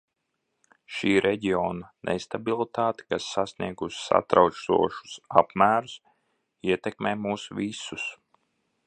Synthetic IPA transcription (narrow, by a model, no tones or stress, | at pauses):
ʃiːɾʔɛɟiɔːnanʔḛst̪abilˠit̪aːt̪i̥kasːasniɛɡussa̰t̪ɾawsṵɔʃu̥sa̰pmæːɾus | iɛt̪ɛkmɛːmuːsvisus